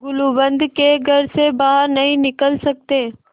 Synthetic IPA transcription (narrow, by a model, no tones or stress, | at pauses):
ɡʊlubə̃nd̪ʱkeɡʱəɾsebaːɦəɾnɐɦĩnɪkəlsək̚t̪eː